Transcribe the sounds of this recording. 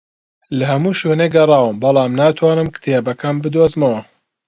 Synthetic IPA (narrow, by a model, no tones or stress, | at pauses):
lɐhɐmuːʃoːneːɡɐrˤɑːwɨmbɐlˠɑːmnaːt̪ʰwaːnɨmkɨ̥t̪ʰeːbɐkʰɐmbɨd̪oːzmɐwɐ